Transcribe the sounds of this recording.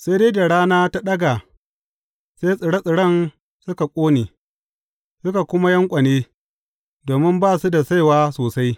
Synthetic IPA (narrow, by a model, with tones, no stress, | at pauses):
se˦jdeː˦da˨ɽaː˦naː˦ta˦ɗɐ˦ɡa˨ | seː˦sʼɪ˨ɽɐ˦sʼɪ˨ɽɐ˦˨n | sʊ˦ka˨kʷʼoː˦neː˨ | sʊ˦ka˨kʷʊ˦ma˦jɐ˦ŋkʷʼɐ˨neː˦ | doː˨mɪ˦mbaː˦˨su˦da˨sa˦jwaː˦soː˨sa˦j